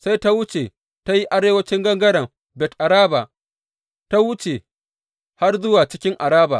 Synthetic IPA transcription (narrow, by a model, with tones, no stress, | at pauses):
sa˦jta˦wʊ˦t͡ʃe˨ | ta˦ji˦ʔa˦ɾeː˦wɐ˦t͡ʃɪ˦ŋɡɐ˦ŋɡɐ˦ɽɐ˨m | bɛ˨tʔa˨ɾaː˦ba˨ | ta˦wʊ˦t͡ʃe˨ | ha˦rzʊ˦waː˨t͡ʃɪ˦kʲɪ˦ŋʔa˨ɽaː˦ba̰ː˨